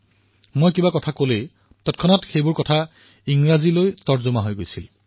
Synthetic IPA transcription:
mojkibakɔtʰakole | tɔt̚kʰɔnɔtxejbʊɹkɔtʰa | iŋɹazilojtɔɹzumaɦojɡojsil

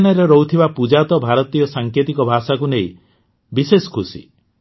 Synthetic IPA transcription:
nɔɾeɾɔut̪ʰibapud͡ʒat̪ɔbʱaɾɔt̪ijɔsaŋket̪ikɔbʱasakunej | bisesɔ̥kʰusḭ

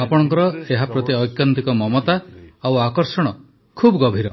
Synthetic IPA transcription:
apɔɽ̃ɔŋkɔɾɔeɦapɾɔt̪iɔjkjant̪ikɔmɔmɔt̪aawakɔɾsɔɽ̃ɔ | kʰubɔɡɔbʱiɾɔ

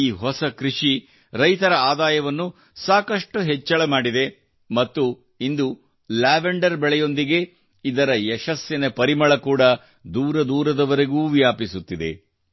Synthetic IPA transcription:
iːɦɔsɐkɾiʂi | ɾɐjt̪ɐɾɐaːd̪aːjɐʋɐnːu | saːkɐʂʈuɦɛt͡ʃːɐɭɐmaːɽid̪e̞ | mɐt̪ːu | ind̪u | laːʋeɳɖɐɾbɛɭɛjo̞nd̪iɡe̞ | id̪ɐɾɐɛʃɐsjɐnɐpɐɾimɐɭɐkuːɽɐ | d̪uːɾɐd̪uːɾɐd̪ɐʋɐɾeɡuːʋijaːpisut̪ːid̪e̞̰

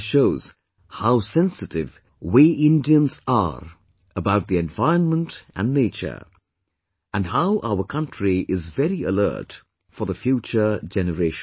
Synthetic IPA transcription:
ʃoʊz̥ | haʊsɛ̃nsɨtɪv | wiʔɪ̃ndiə̃nzə̰ɹ | əbaʊt̪̚ðiɛ̃ɱvaɪənmə̃ntʔə̰̃nːeɪt͡ʃə̰˞ | ʔɨ̃nɦaʊʔaʊə˞kʰʌ̃ntɹiʔɪzvɛɾɹiə̰lɜ̰˞t | fəðəfjut͡ʃə˞d͡ʒɛnəɹeɪʃ

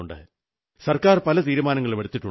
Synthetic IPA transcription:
uɳɖɨ̰ | sɐrkaːrpɐlɐt̪̬iːɾumaːnɐŋːɐɭumeɽut̪ːiʈːu

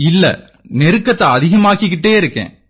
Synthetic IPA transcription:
ɪlːɐ̰ | nɛɾɯkːɐt̪ːɐɐðɪɣɐmaːkɪk̬ːɪʈːeːɪɾɯkːḛ̃ː

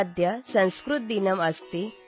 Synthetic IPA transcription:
d̪ʱjɐsɐ̃w̃skɾut̪̚d̪inɐmɐst̪i

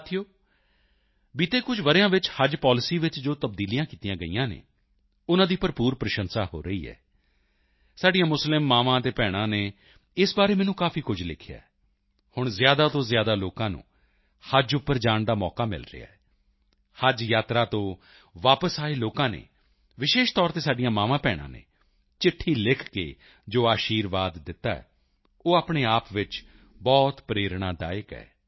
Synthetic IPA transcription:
t̪ʰijoː | biːt̪eːkʊd͡ʒʋəɾjãːʋɪt͡ʃhəd͡ʒpaːlɪsiːʋɪt͡ʃd͡ʒoːt̪əb̚d̪iːlijãːkiːt̪ijãːɡəḭːãːnḛː | ʊnãːd̪iːpəɾpuːɾpɾəʃənsaːho̰ːɾəḭːɛ̰ː | saːɖijãːmʊslɪmːaːʋãːt̪eːpɛːɽ̃ãːneː | ɪsbaːɾeːmɛːnũːkaːpʰiːkʊd͡ʒlɪ̰kʰja̰ːɛ | hʊɳ̃zjaːd̪aːt̪õːzjaːd̪aːloːkãːnṵ̃ː | həd͡ʒʊpːəɾd͡ʒaːɳd̪aːmɔːkaːmɪ̰lɾɪ̰ja̰ːɛː | həd͡ʒjaːt̪ɾaːt̪õː | ʋaːpəsaːeloːkãːnḛː | ʋɪʃeːʃt̪ɔːɾt̪eːsaːɖɪjãːmaːʋãːpɛːɽ̃ã̰ːnḛː | t͡ʃɪʈʰːiːlɪkʰkḛː | d͡ʒoːaːʃiːɾʋaːd̪ːɪt̪ːa̰ːɛ̰ː | oːaːpɳeːaːpʋɪt͡ʃ | bɔːt̪pɾeːɾɽ̃aːd̪a̰ːəkɛ̰ː

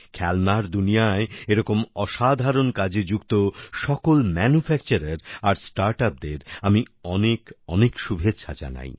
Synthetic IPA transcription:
kʰɛlmaɾd̪unijaeeɾɔkomɔʃad̪ʱaɾonkad͡ʑed͡ʑukt̪oʃɔkolmɛnufʰɛkt͡ɕaɾaɾaɾsʈaɾʈap̚d̪eɾami | ɔnekɔnekʃubʱetːʃʰad͡ʑa̰na̰j

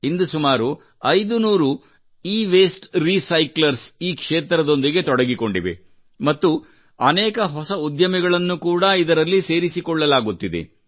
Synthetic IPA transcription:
ind̪usumaːɾu | ɐjd̪unuːɾu | iːʋeːsʈɾisɐjklɐɾsiːkʂeːt̪ɾɐd̪o̞nd̪iɡe̞t̪ɔɽɐɡiko̞ɳɖiʋḛ | mɐt̪ːu | ɐnɛːkɐɦɔsɐud̪jɐmiɡɐɭɐnːukuːɽɐid̪ɐɾɐlːise̞ːɾisikɔɭːɐlaːɡut̪ːid̪ḛ

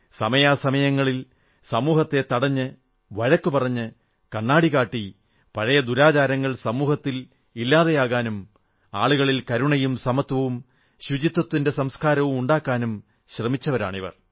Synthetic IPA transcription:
sɐmɐjaːsɐmɐjɐŋːɐɭil | sɐmuːhɐt̪ːe̞t̪ɐɽɐɲːɨ | ʋɐɻɐkːupɐrɐɲːɨ | kɐɳːaːɽiɣaːʈːi | pɐɻɐjɐd̪uɾaːt͡ɕaːɾɐŋːɐɭsɐmuːhɐt̪ːil | ilːaːðejaːɣaːnum | aːɭuɣɐɭilkɐɾuɳɐjumsɐmɐt̪wɐʋum | ɕud͡ʑit̪ːwɐt̪ːinde̞sɐmskaːɾɐʋumuɳɖaːkːaːnum | ɕrɐmit͡ɕːɐʋɐɾa̰ːɳiʋɐ̰r

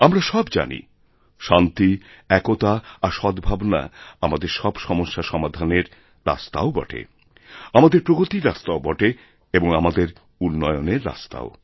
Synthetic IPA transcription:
amɾaʃɔbd͡ʑa̰nḭ | ʃant̪iɛkot̪aːʃɔd̪bʱabna̰amad̪eɾʃɔbʃɔmoʃːaʃɔmad̪ʱaneɾ | ɾa̰st̪a̰obɔ̰ʈʰḛ | amad̪eɾpɾoɡot̪iɾast̪aobɔʈe | eboŋamad̪eɾ | unːɔeoneɾːa̰st̪a̰o

